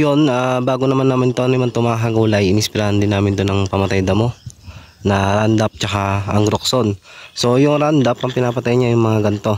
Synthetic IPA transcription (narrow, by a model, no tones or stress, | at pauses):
jonabaːɡonɐmanːɐmant̪oʔɐnɪmant̪ʊmaːɦɐɡuːlɐjʔɪnɪspɪɾaːhɐnd̪ɪnːaːmɪnd̪onɐŋpɐmɐt̪ajd̪ɐmo̞ | nɐɾand̪ap̚t͡ʃɐkaɐŋɡɾokso̞n | so̞jʊŋɾand̪ɐpɐŋpɪnaːpɐt̪ajɐɲajʊŋmɐŋaɡɐnt̪o̞